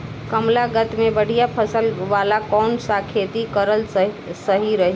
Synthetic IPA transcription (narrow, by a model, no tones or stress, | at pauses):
kəmlaɡət̪mebəɽ̤ijapʰəsəlʋalakɔnsakʰet̪ikəɾəl | səɦiɾəɦi